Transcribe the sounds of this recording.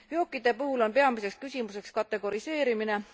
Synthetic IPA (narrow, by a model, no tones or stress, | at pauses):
vjoːkːˑid̪̥e̞puhulo̞npe̞ɑmiseks̚kysʲimuse̞kskɑt̪ːˑe̞ɡ̥o̞ɾise̞ːɾimine̞